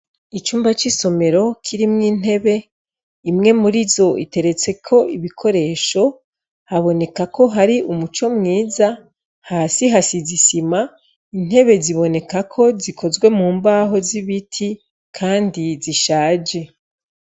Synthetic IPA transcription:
it͡ʃuːmbat͡ʃiso̞me̞ɾo̞kʰiɾimŋiːn̥e̞βe̞ | imŋe̞muɾizo̞ḭte̞ɾe̞t͡se̞kʰo̞ʔiβikʰo̞ɾe̞ːʃo̞ | haβo̞ne̞kako̞ɦaɾiʔumut͡ʃo̞mŋiːza | hasiɦasizisima | in̥he̞βe̞ziβo̞ne̞kakʰo̞zikʰo̞zɡwe̞muːmbaːɦo̞ziβitʰi | kʰaːndiziʃaːd͡ʒe̞

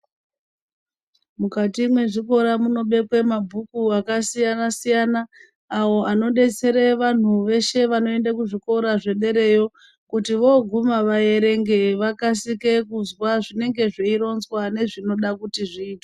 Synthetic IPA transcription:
mukatimwe̞ʐiko̞ɾamuno̞ɓe̞kwe̞mabʱukuakasijanasijanaː | wo̞ano̞ɗe̞t͡se̞ɾeʋan̤uʋe̞ʃe̞ʋano̞e̞ndakuʐiko̞ɾaʐe̞ɗe̞ɾe̞jo̞ | kutiʋo̞ɡʱumaʋaje̞ɾe̞ŋɡe̞ʋakasike̞kuzwaʐine̞ŋɡe̞ʐiiɾo̞nzwane̞ʐino̞ɗakutiʐiːtwa

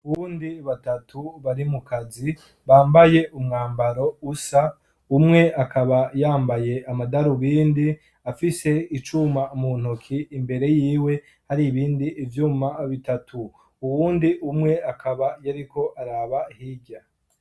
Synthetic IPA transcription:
uβuːndiβatatʰuβaɾimukʰazi | βaːmbaje̞ʔumŋaːmbaɾo̞usa | umŋe̞ʔakʰaβajaːmbaje̞amadaɾuβiːndi | afise̞it͡ʃumaumuːn̥okʰiːmbe̞ɾe̞jiːwe̞ | haɾiβiːndiʔːvjuːmaβitatʰu | uwuːndiʔumŋe̞akʰaβajaɾiko̞ʔaɾaːβahiɟa

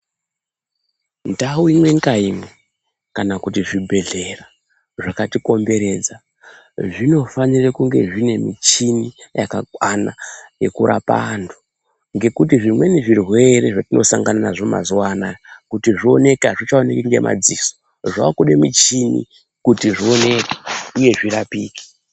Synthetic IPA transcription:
ndauimwe̞ŋkaime | kanakutiʐibʱe̞ɮe̞ra | ʐakatiko̞mbe̞ɾe̞d͡za | ʐino̞fanirekuŋɡe̞ʐine̞mit͡ʃinijakakwanaje̞kuɾa̰pa̰ndo | ŋɡe̞kutiʐimwe̞niʐirwe̞reʐatino̞̰sa̰ŋɡananaʐoma̰zuwanajkutiʐio̞ne̞keaʐit͡ʃaonekiŋɡe̞mʔa̰d͡ziso̥ | ʐaakuɗemit͡ʃinḭ | kutiʐio̞ne̞keuje̞ʐirapiːki̥

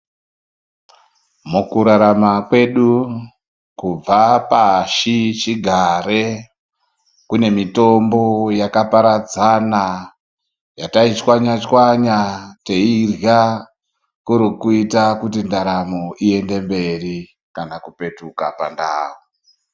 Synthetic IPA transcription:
mukuɾaɾamakwe̞ɗu | kub͡vapaʃit͡ʃiɡʱaɾe | kune̞mito̞mbo̞jakapaɾad͡zana | jatait͡ʃwaɲat͡ʃwaɲate̞irja | kuɾikuitakutindaɾamoʔie̞nde̞mbe̞ri | kanakupe̞tukapa̰ndaːwo

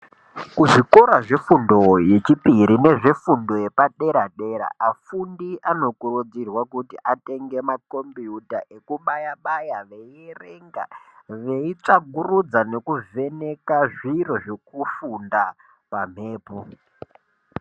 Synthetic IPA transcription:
kuʐiko̞ɾaʐe̞fundo̞je̞t͡ʃipiɾine̞ʐe̞fundo̞je̞paɗe̞ɾaɗe̞ɾa̰afundiʔano̞kurud͡zirwakutiʔate̞ŋɡe̞mako̞mbijutaʔe̞kuɓajaɓajaʋe̞iereŋɡa̰ʋe̞it͡ʂaɡʱurud͡zane̞kuve̞ne̞kaʐiro̞ʐe̞kufunda | pam̤e̞ːpo

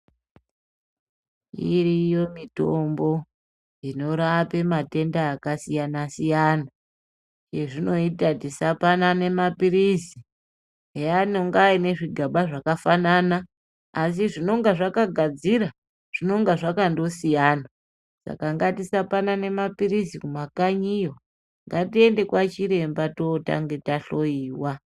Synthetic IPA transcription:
ḭrijo̞mito̞mbo̞ | ino̞ɾape̞mate̞ndaːkasijanasijaːna | je̞ʐino̞itatisapanane̞mapiɾisi | ejano̞ŋɡaine̞ʐiɡʱaɓaʐakafananaː | s̬iʐino̞ŋɡaʐakaɡʱad͡ziɾa | ʐ̥ino̞ŋɡaʐakando̞sijaːna | sa̰kaŋɡatisapanane̞mapirisikumakaɲijo | ŋɡatie̞nde̞kwat͡ʃiɾe̞mbatota̰ŋɡe̞taɬo̞iːwa

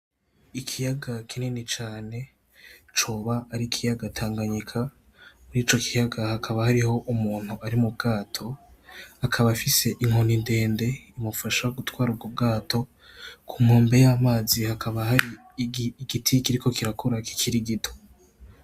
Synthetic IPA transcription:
ikʰijaɡakʰinenit͡ʃaːne̞ | t͡ʃoːβaːɾikʰijaɡatʰaːŋɡaɲikʰa | muɾiːt͡ʃo̞kʰijaɡahakʰaβahaɾiho̞ʔumuːn̥huaɾimub̚ɡaːtʰo̞ | akʰaβafise̞ʔiŋo̞ninde̞ːnde̞imufaʃaɡutwaːɾub̚ɡob̚ɡaːtʰo̞ | kʰumoːmbe̞jamaːzihakʰaβahaɾi | ɡitʰikiɾiko̞kiɾakʰuɾaki̥kʰiɾiɡito

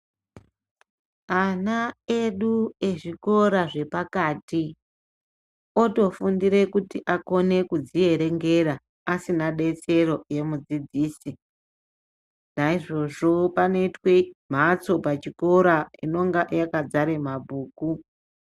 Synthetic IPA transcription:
anae̞ɗue̞ʐiko̞ɾaʐe̞pakaːti | o̞to̞fundiɾe̞kutiʔako̞ne̞kud͡zie̞ɾe̞ŋɡe̞ɾaː | sinaɗe̞t͡se̞ɾo̞je̞mud͡zid͡ziːsi | naiʐo̞ʐo̞pane̞itwe̞m̤at͡so̞pat͡ʃiko̞ɾaino̞ŋɡaʔjakad͡zaɾe̞mabʱuːku

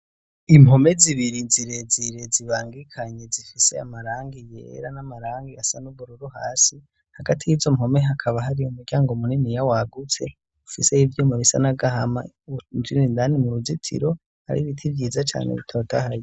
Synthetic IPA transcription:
imho̞me̞ziβiɾinziɾe̞ziɾeziβaːŋɡikʰaɲe̞zifise̞amaɾaːŋɡijḛɾanamaɾaːŋɡiasanuβuɾuɾuha̰ːsi | haɡatʰijizo̞mho̞meɦakʰaβaɦaɾiumuɾɟaːŋɡomuninijawaɡut͡se̞ | ufise̞ivjomuβisa̰naɡaɦama̰ | zinindanimuɾuzitʰḭɾo̞ | ha̰ɾḭβitʰivjiːzat͡ʃa̰ːnḛβḭtʰotʰahaji

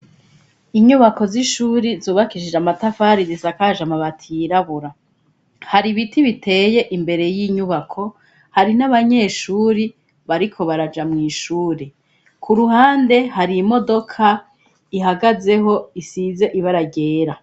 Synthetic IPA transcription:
iɲuβako̞ziʃuːɾizoːβakiʃid͡ʒamatafaːɾidizakaːʒamaβatʰiɾaβuɾa | haɾiβitiβite̞ːje̞ʔimbe̞ɾe̞jiːɲuβakʰo̞ | haɾinaβaɲe̞ːʃuːɾi | βaɾikʰo̞βaɾad͡ʒamŋiːʃuːɾe | kʰuɾuhaːnde̞ɦaɾimo̞do̞kʰa | iɦaɡaze̞ɦo̞isize̞ʔiβaɾaɟe̞ːɾa

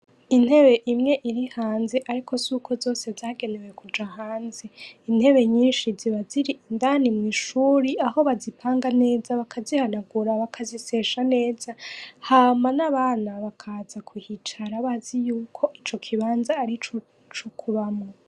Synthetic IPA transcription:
in̥he̞βeʔimŋe̞ʔiɾihaːnze̞ʔaɾikʰo̞zuːkʰo̞zo̞ːse̞zaːɡe̞ne̞we̞kud͡ʒahaːnze̞in̥he̞βe̞ɲiːnʃiziβaziɾiʔindanimŋiːʃuːɾiaho̞βazipʰaːŋɡane̞ːzaβakʰazihanaɡuɾaβakʰazise̞ʃane̞ːz̥ahaːmanaβaːnaβakʰazakʰwihit͡ʃaɾaβazijuːkʰo̞ʔit͡ʃo̞kʰiβaːnzaːɾit͡ʃo | t͡ʃokʰuβamŋo

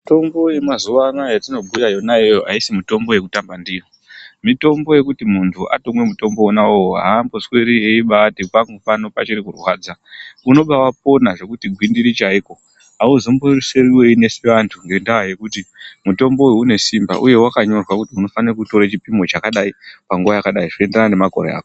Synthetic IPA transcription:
to̞mbo̞je̞mazuʋanajatino̞bʱujajo̞najejoɦaisimito̞mbo̞je̞kutambandijo | mito̞mbo̞je̞kutimuntʰuʔa̰to̞mwe̞muto̞mbo̞onawooɦa̰ːmboswe̞ɾie̞iɓaːtipaŋɡopano̞pat͡ʃiɾikurwaːd͡zauno̞ɓawap̚o̞naʐe̞kutiɡʱwindiɾit͡ʃaiːko̞ | ɦauzomboiruseriwe̞ine̞seʋantʰuŋje̞ndawaje̞kutimuto̞mbo̞wune̞simba̰ʔuje̞wakaɲo̞rwakutiuno̞fanirakuto̞ɾat͡ʃipimo̞t͡ʃakaɗaipaŋɡuʋajakaɗaiʐikoenderanane̞maɡʱo̰ɾea̰ːko

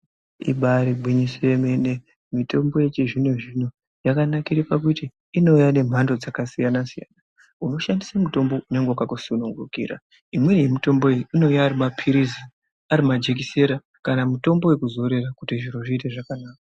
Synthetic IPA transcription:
ḭɓaɾiɡ͡bwiɲisoeme̞ne̞ | mito̞mbo̞je̞t͡ʃiʐinweʐino̞ | jakanakiɾipak̬utiː | no̞ujane̞m̤ando̞d͡zakasijanasija̰na | uno̞ʃandisamuto̞mbo̞une̞ŋɡeakakusunuŋɡukḭːɾa̰ | imwe̞jemito̞mbo̞eiino̞ujaːɾimapʰiɾizi | aɾimad͡ʒe̞k̬ise̞ɾa | kanamuto̞mbo̞we̞kuzo̞ɾe̞rakutiʐiɾoʐiːte̞ʐakanaːka

